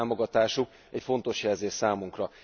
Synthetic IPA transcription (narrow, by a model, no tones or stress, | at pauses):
mo̞ɡɒt̪aːʃuk | ɛcfo̞nt̪o̞ʃjɛlzeːʃsaːmuŋkrɒ